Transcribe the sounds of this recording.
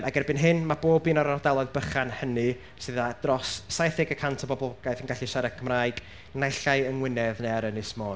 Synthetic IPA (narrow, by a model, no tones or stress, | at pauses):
ʔaɡɛrbɨnɦɪnmaboːbiːnɔɾɔrdɛlˠɔɨðbəχanhənɨ | sɨðad̥rɔsːajθɪɡəkʰantʰəbɔblˠɔɡ̥aɨθənɡaɬiʃaɾɛ̥kʰəmraːɨɡ̥ | nɛɬaɨəŋwɪnɛðnejaɾənɪsmɔː